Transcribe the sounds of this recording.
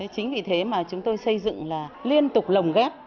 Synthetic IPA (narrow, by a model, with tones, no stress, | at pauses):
t͡ɕï˨˦ŋ̟vi˨˩t̪ʰe˨˦maː˨˩t͡ɕʊ˨˦ŋ͡mt̪o˧jsə˧jzɨ̰˧˨ŋlaː˨˩li˧ənt̪ʊ˨˩k͡p̚lə˨˩wŋ͡mɣɛː˦˥t̚